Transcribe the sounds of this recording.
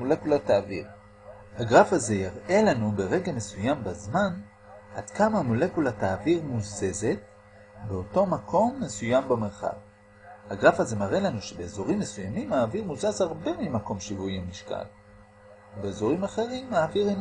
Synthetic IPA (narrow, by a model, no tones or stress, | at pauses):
ole̞kulataːviʁ | haɡʁafaze̞jaʁʔe̞lanube̞ʁe̞ɡame̞sujambazman | ʔad̥kamamole̞kulataːviʁmuse̞ze̞t̚ | be̞o̞to̞makʰo̞mːesujambameʁχa̰v | haɡʁafaze̞maʁe̞lanuʃebe̞ːzo̞ʁimːe̞sujamimaːviʁmuzazaʁbe̞mimako̞mʃivujemiʃka̰l | be̞ːzo̞ʁimaχe̞ʁimaːviʁen